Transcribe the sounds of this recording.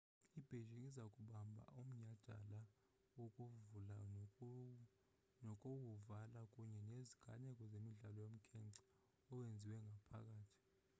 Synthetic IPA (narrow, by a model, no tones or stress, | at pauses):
ib̥ʱeʒiŋizakʼuɓambʱa̰ʔum̩ɲad̥ʱa̰la | wokʼuvula | nɔkʼowuvalakʼuɲɛneziɡ̥ʱa̰nɛkʼɔzemiɮalɔjom̩kʰɛŋǀɛ̥ | ɔwend͡zʱiwɛŋɡʱapʰak̬ʼaːtʰi̥